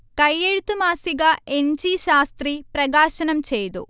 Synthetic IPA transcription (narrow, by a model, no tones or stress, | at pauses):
kɐjːeɻut̪umaːsiɡaːeɲd͡ʒiʃaːst̪ɾipɾɐɡaːʃɐnɐmt͡ʃejt̪ṵ